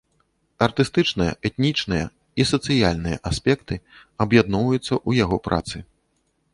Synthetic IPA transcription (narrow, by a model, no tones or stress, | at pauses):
ɐrt̪ɨst̪ɨt͡ʂnɨjɐ̰ʔɛt̪nʲit͡ʂnɨjɐ̰ | isɐt̪sɨjalʲnɨjɐ̰ʔasʲpʲɛkt̪ɨɐbjad̪nɔwvɐjut̪sːɐʔujaɣɔpɾʔa̰t̪sɨ